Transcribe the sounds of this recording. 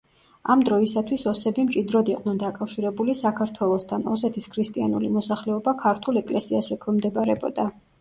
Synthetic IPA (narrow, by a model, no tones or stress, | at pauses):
amd̪ɾɔisat̪ʰwisɔsɛbimt͡ʃʼid̪ɾɔd̪iqʼnɛnd̪akʼafʃiɾɛbulisakʰaɾt̪ʰwɛlˠɔst̪ʰanɔs̬ɛt̪ʰiskʰɾist̪ʼianulimɔsaχlɛɔbakʰaɾt̪ʰulɛkʼlɛsiaswɛkʰwɛmd̪ɛbaɾɛbɔ̰d̪a